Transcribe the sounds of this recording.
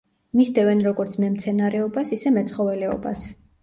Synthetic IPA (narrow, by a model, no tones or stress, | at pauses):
misd̪ɛvɛnɾɔɡɔɾt̪sʰmɛmt̪sʰɛnaɾɛɔbasisɛmɛt̪sʰχɔvɛlɛɔ̰ba̰s